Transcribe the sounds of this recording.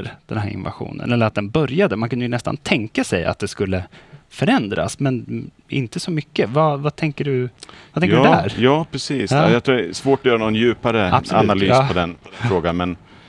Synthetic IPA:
ɾd̪̥ɛnɦæːɾɪ̰nva̰ɧṵːnə̰nɛlːəɾat̪̚d̪ɛnbœɾjad̪əmankʰɵnd̪jɵnɛst̪a̰nt̪ʰɛŋkasɛja̰t̪̚d̪ɛskɵlːəfœɾɛnd̪ɾa̰smɛn | ʔɪ̰nt̪əsɔmʏkːəvavat̪ʰɛŋkəɖɵvat̪ʰɛŋkdɛæːɾjɑːpʰɾɛsiːsjɑt̪ʰɾːɛsvoːʈɔjœːɾanɔnjʉ̟ːpaɾəasa̰nalyːspɔd̪ɛnfɾoːɡanmɛn

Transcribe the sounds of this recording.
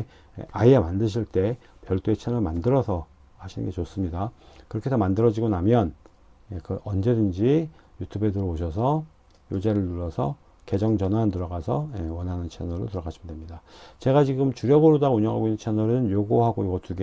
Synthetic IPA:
aiemandɯɕ̬ʰiɭt͈e̞pjʌɭt͈uet͡ɕʰenʌɭmandɯɾʌsʰʌ | haɕʰinɯ̰ŋɡe̞t͡ɕos͈ɯmɲidakɯɾʌkʰe̞sʰʌmandɯɾʌd͡ʑiɡonamjʌn | jekɯʔʌnd͡ʑe̞dɯnd͡ʑijutʰube̞dɯɾʌoɕ̬ʰʌs̬ʰʌ | jod͡ʑeɾɯɭːuɾʌsʰʌ | ke̞d͡ʑʌŋd͡ʑʌnantɯɾʌɡasʰʌjewʌnɦanɯnt͡ɕʰenʌɾo̰tɯɾʌɡaɕʰimdemɲidat͡ɕe̞ɡat͡ɕiɡɯmt͡ɕuɾjʌɡɯɾodaɡauɲʌŋɦaɡoinːɯnt͡ɕʰenʌɾɯnjoɡoɦaɡojoɡotuɡe

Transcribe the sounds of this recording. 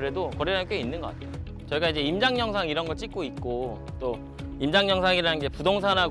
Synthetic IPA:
ɾe̞dokʌɾiank͈einːɯnɡʌka̰tʰeoot͡ɕʌiɡaid͡ʑe̞imd͡ʑaŋɲʌŋsʰaŋiɾʌnɡʌɭt͡ɕ͈ik͈oit̚k͈o | t͈o | imd͡ʑaŋɲʌŋsʰaŋiɾanɯnɡe̞pudoŋsʰanɦa

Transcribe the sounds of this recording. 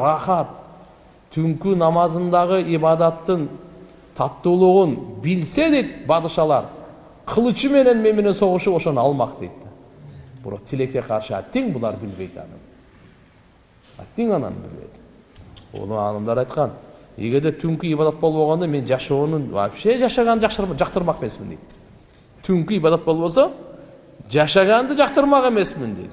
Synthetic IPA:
rɑχɑt̪ʰː | ʏŋkynɑmɑzənd̪ɑʁəibɑd̪ɑt̪ːən | t̪ʰɑt̪ːulˠʊʁʊnbɪlse̞d̪e̞jt̪bɑd̪ɯʃɑlˠɑɾ | qʰəlˠɯt͡ʃɨme̞ne̞nme̞nme̞ne̞nso̞ʁʊʃupo̞ʃo̞nɑlˠmɑqd̪e̞jt̪t̪ɑb̥ɪ̰ɾo̞̰qt̪ʰɪle̞kʲe̞qʰɑɾʃɨæ̰t̪ːiŋbʊlˠɑɾbɪlbe̞jd̪ɑ̰nɨ̰m | æ̰t̪ːeŋɑnɑ̰nə̰bɪ̰lbḛjd̪ɪ̥ | wo̰nˠəɑnɑmd̪ɑɾɑjt̪qɑnjḛɡʲe̞ɾd̪et̪ʰʏŋkʲɪibɑd̪ɑt̪̚bolˠboʁɑnd̪ɑme̞nʒɑʃownənwɑ̰pʃeʒɑʃɑʁɑnd̪əʒɑqʃɾʒɑq̚t̪əɾmɑqemesmɪnd̪ejt̪ | t̪ʰʏŋkʲɪijbɑd̪ɑt̪bo̞lˠbosɑ | ʒɑʃɑʁɑnd̪əʒɑqt̪əɾmɑqe̞me̞smɪnd̪ejd̪ɪ

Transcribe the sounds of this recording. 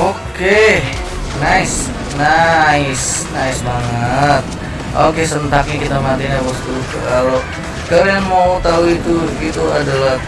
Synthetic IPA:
ʔoke | naɪs | naɪs | naɪsbaŋət̪̚ | ʔokesənt̪ak̚ɲakit̪amat̪iɲabɔst̪ukəkalo | kaɾamawt̪auit̪uit̪uadalah

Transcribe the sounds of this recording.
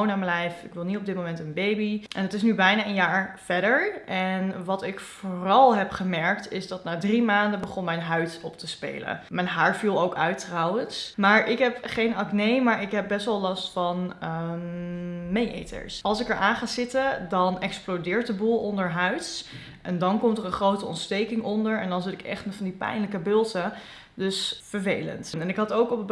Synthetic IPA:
wnaːməlɛjfɪkʋɪlˠnitɔb̚dɪt̚mowmɛntənbejbiʔɛ̰ndɑtɪsnybɛjnaːənjaːɹfɛɹdəɹʔɛnʋɑtɪkfoːrɑlˠɦɛpχəmɛɹktɪzdɑtnaːdrimaːndəbəχɔnmɛjnɦœɥtɔp̚təspḛjlə̰mɛnɦaːɹvilˠowkœɥtrɑwənsmaːɹʔɪkɦɛpχejnɑknejmaːɹɪkɦɛp̚bɛstʋɛlˠlɑstfɑn | mejʔḛjtə̰ɹsʔɑlˠsɪkɛɹʔaːnχaːzɪtədɑnɛksplodɪːɹt̚dəbulˠɔndəɹɦœɥts | ʔɛndɑnkɔmtərə̃nχrowtəɔ̰ntstejkɪŋɔndəɹɛndɑnzɪtɪkɛ̰χtənvɑndipɛ̰jnləkəbɪlˠtə | dɵsfəɹvejlə̰ntnɛnɪkɦɑtowkɔp

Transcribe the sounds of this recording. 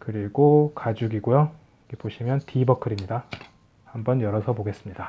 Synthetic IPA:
kɯɾiɡokad͡ʑuɡiɡojo | ɡepoɕʰimjʌntibʌkʰɯɾimɲida | hambʌnjʌɾʌsʰʌboɡe̞s͈ɯmɲida

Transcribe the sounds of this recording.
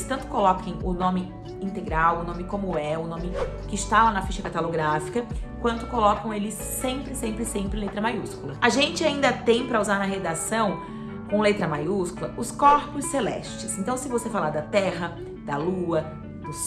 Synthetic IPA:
st̪ɐ̃nt̪ʊ̥kolɔkɐ̃j̃ʊnõmɪ | ĩnt̪eɡɾawʊnõmɪkõmʊɛʊnõmɪkɪːst̪alanɐfiʃɐkat̪aloɡɾafi̥kɐkwɐ̃nt̪ʊ̥kolɔkɐ̃w̃elɪsːẽpɾɪsẽmpɾɪsẽmpɾɪlet̪ɾɐmajuskulɐaʒẽnt͡ʃɪaĩnd̪ɐt̪ẽj̃pɾɐuzaɾnɐɦed̪asɐ̃w̃ | kõlet̪ɾɐmajuskulɐʊskɔɾpʊsːelɛ̰ʃt͡ʃɪsẽnt̪ɐ̃w̃sɪvosefalaɾd̪ɐt̪ɛɦɐ | d̪̥ɐluɐ | d̪̥ʊs

